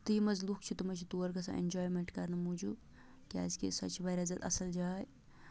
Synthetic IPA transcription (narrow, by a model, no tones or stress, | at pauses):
t̪ɨjimɐzluːkt͡ʃʰit̪umɐt͡ʃʰit̪uːɐɾkɐsã̰ʔḛnd͡ʒɔːjmeɳʈkɐɾnɐmud͡ʒuː | kia̰ːzkḭsɐt͡ʃbɐɾɐzɐt̪ɐ̰sɐld͡ʒaːj